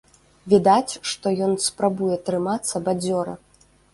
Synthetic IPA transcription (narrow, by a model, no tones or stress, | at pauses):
vʲid̪at͡sʲʂt̪ɔjɔnspɾabujɛt̪ɾɨmat̪sːɐbad͡zʲɔɾɐ̰